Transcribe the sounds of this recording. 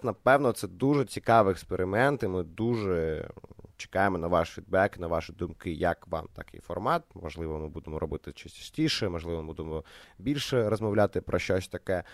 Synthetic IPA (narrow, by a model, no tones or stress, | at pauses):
nɐpɛwnɔt̪sɛd̪uʒɛt͡sʲikɑʋɪɛkspeɾɪmɛnt̪ɪmɪd̪uʒɛ | t͡ʃɪ̥kɑjemɔnɐʋɑʃfʲid̪̚bɛknɐʋɑʃid̪ʊmkɪjɐ̰kʋɑ̰mt̪ɐkɪ̰jfɔrmɑt̪̚mɔʒlˠɪʋɔmɪbud̪emɔɾɔbɪt̪ɪt͡ʃisʲt͡ʃɐ̥sʲtʲiʃɛmɔʒlˠɪʋɔbud̪emɔbʲilʲʃɛɾɔzmɔʋlʲat̪ɪpɾʔɔʃt͡ʃɔsʲt̪ɐkɛ